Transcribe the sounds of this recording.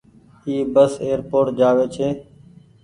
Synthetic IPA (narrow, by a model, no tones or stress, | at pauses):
iːbəseːəɾpoːʈ̚d͡ʒaːʋeːt͡ʃʰeː